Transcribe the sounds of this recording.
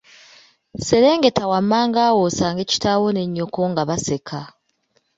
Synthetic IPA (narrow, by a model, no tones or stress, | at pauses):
se̞ɾe̞ːŋɡetawamːaːŋɡaːwosaːŋɡe̞ci̥tawone̞ɲːo̞ko̞ŋɡaβase̞kʰa